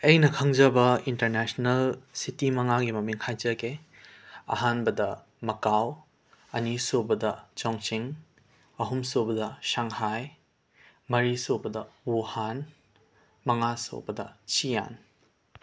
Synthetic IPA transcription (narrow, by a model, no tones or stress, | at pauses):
ɐjnɐkʰɐŋd͡ʒɐbɐintɐɾnɛsnɐlsitimɐŋaɡimɐmiŋhajd͡ʒɐɡe | ɐ̰ɦanbɐdɐ | mɐkaw | ɐnisobɐdɐt͡ʃaŋt͡ʃiŋ | ɐɦumsobɐdɐsaŋhaj | mɐɾisobɐdɐuhan | mɐŋaso̰bɐdɐ̰t͡ʃija̰n